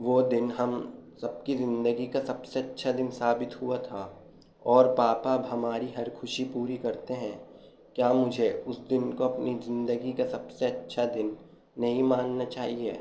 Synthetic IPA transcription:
ʋoːd̪ɪnɦɐmsɐb̚kizɪ̃nd̪əɡikasɐbseɐtːʃʰad̪ɪnsaːbɪt̪ɦuat̪ʰa | ɔːɾpaːpaːbɦɐmaːɾiɦɐɾkʰʊʃipuːɾikɐɾt̪eɦɛ̃ | kjaːmʊd͡ʒʱeʊsd̪ɪnkoɐpnizɪ̃nd̪əɡikasɐbseɐtːʃʰad̪ɪnː | ɐɦĩmaːnːat͡ʃaːɦieː

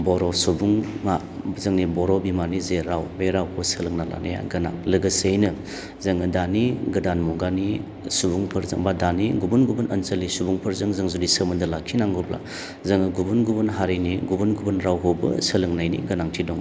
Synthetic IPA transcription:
bɔɾɔsubuŋma | zɐŋnibɔɾɔbimanizeɾawbeɾawhʰosəlɯŋnala̰naja̰ɡɐna̰ŋlɯɡɐsejnɯ | zɐŋɯdaniɡɯdanmɔɡani | subuŋpʰɐɾzɐ̰ŋbadaniɡubunɡubunʔɐnsɐlːisubuŋpʰɐɾzɐŋzɐŋzudisəmɯndɯlakʰːinaŋɡɔbla̰ | zɐŋɯɡubunɡubunɦaɾejniɡubunɡubunɾawɦobɐ̰səlɯŋnajnḭɡɐnaŋtʰidɔŋ

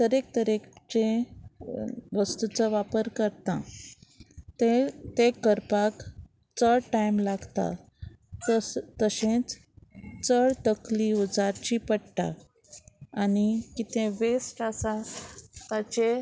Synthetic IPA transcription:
t̪əɾek̚t̪əɾekt͡ɕẽ | ʋəst̪ut͡səʋapəɾkəɾt̪ã | t̪et̪ekəɾpak | t͡səɭʈajmlaɡt̪a̰ | t̪t̪əɕẽt͡s | t͡səɭt̪əkliud͡zaɾt͡ɕipəɽʈa̰ | anikit̪ʰẽʋesʈasat̪at͡ɕe

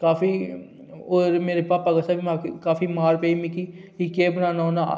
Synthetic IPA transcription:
kaːfi | oːɾmeːɾepaːpaɡɐsaːbimaːkkaːfimaːɾpeːimiki | ikeːbnaːnanaː

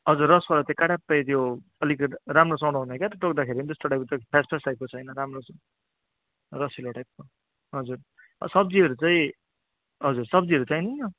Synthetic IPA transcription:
ɦʌd͡zurːʌsbalat͡saĩkaɽapːʌjt̪jo | ʌlikɾamrosʌwɽoɦunʌkjat̪ʌʈok̚d̪akʰeɾind̪estoʈajp̚kt̪pʰaspʰasʈajp̚kot͡sʰʌjnʌɾamros | rʌsiloʈajp̚ko | ɦʌd͡zur | ʌ̰sʌb̚d͡ziʌɾut͡saĩ | ɦʌd͡zuɾsʌb̚d͡ziɦʌɾut͡saĩjni

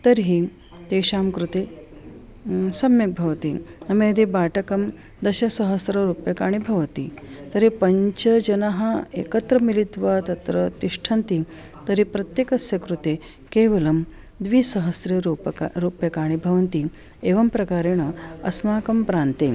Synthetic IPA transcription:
t̪ɐɾɦi | t̪eːɕaːmkɾut̪eː | sɐmjɐk̚bʱɐʋɐt̪inɐmẽd̪ibaːʈɐkɐm | d̪ɐɕɐsɐɦɐsɾɐɾuːpjɐkaːɽ̃ibʱɐʋɐt̪ḭt̪ɐɾipɐɲt͡ʃɐd͡ʒɐnaɦɐḛkɐt̪ɾɐmilit̪ʋat̪ɐt̪ɾɐt̪iʂʈʰɐnt̪i | t̪ɐɾipɾɐt̪jekɐsjɐkɾut̪e | keːʋɐlɐm | d̪ʋisɐɦɐsɾɐɾuɾuːpjɐkaːɽ̃ibʱɐʋɐnt̪i | eːʋɐmpɾɐkaːɾeɳ̃ɐɐ̰smaːkɐmpɾaːnt̪e

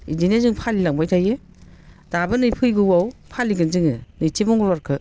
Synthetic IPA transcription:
id͡ʒinezɯŋpʰalilaŋbajtʰaje | d̥abɯnɯjpʰɯjɡɯwawpʰaliɡɯnzɯŋɯnɯjtʰemɔŋlaɾkʰɯ

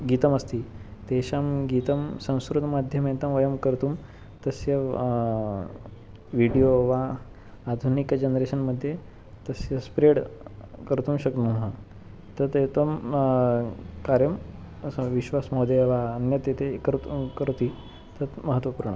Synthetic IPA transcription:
ɡit̪əməst̪iːt̪eɕamɡit̪əmsə̃w̃skɾut̪mad̪ʱjəmẽt̪ɐmʋəjəmkəɾt̪uːm | t̪əsjə | ʋiɽijoʋaː | d̪ʱunikd͡ʑənɾeɕənməd̪ʱːje | t̪əsjəspɾeɽkəɾt̪uːmɕəkt̪umɦa | t̪ət̪et̪om | kaɾjəm | ʋiɕʋasmod̪eʋaənjət̪jet̪ekəɾkəɾt̪iː | t̪ət̪məɦət̪ʋəpuɾɳə̰

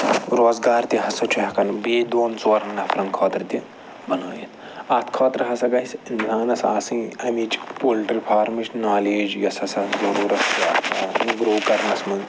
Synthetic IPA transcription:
ɾoːzɡaːɾt̪ʲiɦɐsɐt͡ʃʰuɦɐkɐnbeːd̪oːnt͡soːɾɐŋnɐpʰɾɐnkʰoːt̪ɾt̪i | bɐnoːjit̪ʰ | ɐt̪ʰkʰoːt̪ɾɦɐsɐɡɐsinsaːnɐsa̰ːsɨ̃ɐmit͡ʃpulʈɐɾpʰaːɾmɨt͡ʃʰʲnaːleːd͡ʒjɐsɐsɐzɐɾuːɾɐt̪iaːt̪aːt̪ʰĩɡɾoːkɐɾmɐsmɐz

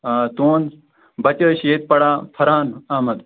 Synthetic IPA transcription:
aːt̪oːn | bɐt͡ɕəːɕeːt̪̚pɐɽãːfʰɐɾaːnaːmɐd̪

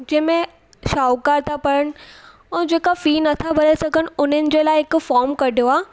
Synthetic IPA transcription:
d͡ʑɐ̃ɦɪ̃mẽ | ʃaːʊkaːɾt̪ʰapɐɾəɽ̃ɪ̆ | ɛ̃ːd͡ʑeːkafiːnɐt̪ʰabʱɐɾasɐɡʱəñɪ̆ʊn̤ənɪ̆d͡ʑeːlaːɪɦɪkʊfaːɾmkɐɖʱijoaː

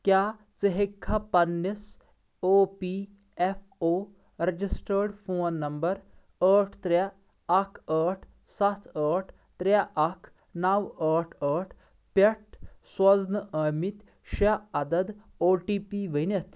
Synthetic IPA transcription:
kjaː | t͡səɦekʰːɐpɐnːis | oːpiː | efʰ | oː | ɾɐd͡ʒisʈəɾɖfʰoːnːɐmbɐɾ | əːʈʰt̪ɾaː | kʰəːʈʰ | sɐt̪ʰəːʈʰ | t̪ɾaʔɐkʰ | nɐwəːʈʰəːʈʰ | pɐʈʰswɐznɐʔəmit̪ | ʃaɐd̪ɐd̪ | oːʈiːpiːʋənɐt̪

